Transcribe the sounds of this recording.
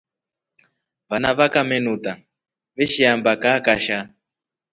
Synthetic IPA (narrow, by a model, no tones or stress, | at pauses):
βanaβakamɛnuta | βeʃiambakakaʃa